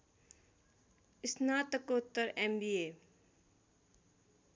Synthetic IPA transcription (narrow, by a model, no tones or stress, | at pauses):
ɪsnaːt̪ɐkot̪ːəɾembiːeː